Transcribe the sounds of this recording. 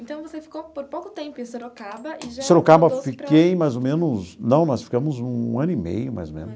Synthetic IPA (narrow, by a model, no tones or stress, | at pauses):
ẽnt̪ɐ̃w̃vosefi̥kopoɾpowkʊt̪ẽmpʊeseɾokabɐiʒseɾokabɐfikkejmajzomẽnʊznɐ̃w̃nɔsfi̥kɐ̃mʊzũɐ̃nʊimḛjʊma̰jzomḛ̃nʊs